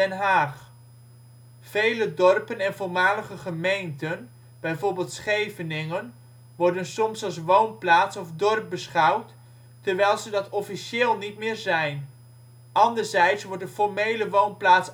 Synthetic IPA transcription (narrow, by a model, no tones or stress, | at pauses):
ɛnɦaːχ | v̥ejlədɔrpənɛnvʊɹmaːləχəχəmejntən | b̥ɛjvoːɹbɪːlˠtsχejvənɪŋən | ʋɔɹdənsɔmsɑlˠs̬ʋownplaːtsɔfdɔrp̚bəsχɑwt | təɹʋɛjlˠzədɑtɔfiʃɪːlˠnitmɪːɹzɛjn | ʔɑndəɹzɛjtsʋɔɹt̚dəfɔɹmejləʋownplaːts